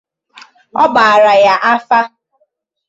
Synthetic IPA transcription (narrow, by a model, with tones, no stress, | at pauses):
ɔ˦ba˨a˨ɾa˨ja˦ʔa˦fa˦